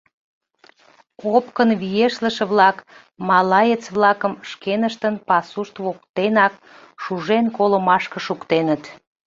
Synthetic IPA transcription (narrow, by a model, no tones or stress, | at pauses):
opkənβijeʃləʃə̆βlɑk | mɑlɑjet͡sβlɑkəmʃkenəʃt̪ənpɑsuʃt̪βok̚t̪enɑk | ʃuʒenkoləmɑʃkə̆ʃukt̪enət̪